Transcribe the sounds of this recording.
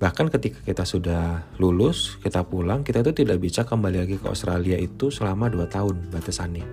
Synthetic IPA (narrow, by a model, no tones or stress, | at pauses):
bahkankət̪ikḁkit̪asudahlulʊskit̪apulaŋkit̪ait̪̬ut̪idaʔbit͡ʃakəmbalilaɡikəo̰st̪ɾaliaʔit̪usəlamaduat̪aʊnbat̪asani